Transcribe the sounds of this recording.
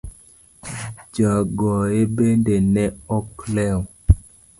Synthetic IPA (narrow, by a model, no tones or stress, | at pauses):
d͡ʒaɡɔebendenɛɔklɛw